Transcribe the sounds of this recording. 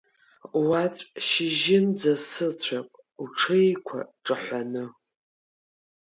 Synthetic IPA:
wat͡sʷʼʃɪʒɪnd͡zasɨt͡sʷʰaqʷʼ | uʈ͡ʂʰejkʷʰa̰ʈ͡ʂʼɨħʷanɨ

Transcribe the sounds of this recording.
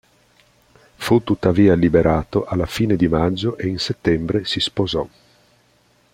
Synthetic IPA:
fut̪ːut̪ːaviːalibeɾʔaːt̪oʔalːafiːned̪imad͡ʒːoʔeinset̪ːɛmbɾesispozɔ

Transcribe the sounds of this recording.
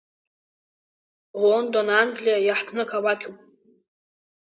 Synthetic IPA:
wondonanɡlijajaħtʰnɨkʰawakʲʰupʼ

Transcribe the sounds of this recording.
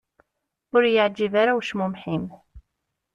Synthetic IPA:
ʊɾjəʕd͡ʒːivaɾawʃmʊmħim

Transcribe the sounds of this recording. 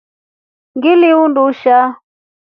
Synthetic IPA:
ŋɡɪliunduʃa

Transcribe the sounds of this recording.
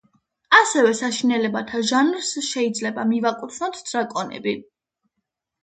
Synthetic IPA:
asɛvɛsaʃinɛlɛbat̪ʰaʒanɾsʃɛid̪zlɛbamivakʼut̪sʰnɔt̪ʰd̪z̥ɾakʼɔnɛ̰bi

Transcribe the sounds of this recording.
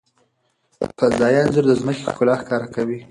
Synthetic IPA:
pəzɑjɑnzəɾd̪əzməkekʊlɑxkɑɾakawi

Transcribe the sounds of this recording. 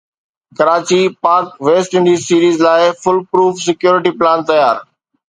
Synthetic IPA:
kɐɾaːt͡ɕipaːɾkʋeːsʈɪ̃ɳɖiːzsiːɾiːzlaːɪfʊlpɾuːfsɪkjoːɾɪʈiplaːnt̪ɐjaːɾ

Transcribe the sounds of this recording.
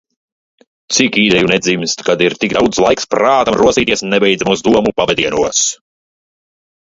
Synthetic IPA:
t̪sikiːd̪ɛjunɛd̪zimst̪kad̪iɾt̪iɡd̪awt̪slˠajkspɾaːt̪amɾuɔsiːt̪iɛsnɛbɛjd̪zamuzd̪uɔmupavɛd̪iɛnuɔs

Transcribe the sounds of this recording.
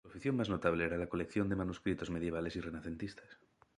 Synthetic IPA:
uofiθjo̞ŋmaznot̪aβleeɾalako̞lekθjo̞nd̪emanuskɾit̪o̞zme̞ð̞je̞β̞ale̞sirenaθe̞nt̪ist̪ḁs

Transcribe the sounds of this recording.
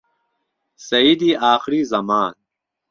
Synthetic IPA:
sɐid̪iaːxɾizɐmaːn

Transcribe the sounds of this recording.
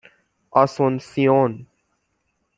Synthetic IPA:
asõnsion

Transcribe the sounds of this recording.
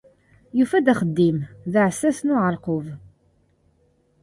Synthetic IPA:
jufæd̪æχəd̪ːimðəʕəsːæsnʊʕəɾˤqov

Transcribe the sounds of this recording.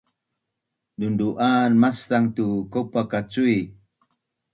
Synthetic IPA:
dunduʔanmastaŋt̪ukopakat͡ʃui

